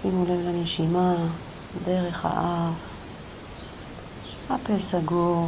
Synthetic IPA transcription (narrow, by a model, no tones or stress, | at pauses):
simulevlaneʃima | d̪eʁeχha̰ʔaf | hapesaɡu